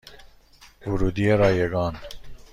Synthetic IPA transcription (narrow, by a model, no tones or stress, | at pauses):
uɾud̪ijeɾɑːjeɡɑːn